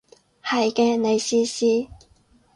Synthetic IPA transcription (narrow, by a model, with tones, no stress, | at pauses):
hɐ˨jkɛː˧ne˨˧jsiː˧˥siː˧˥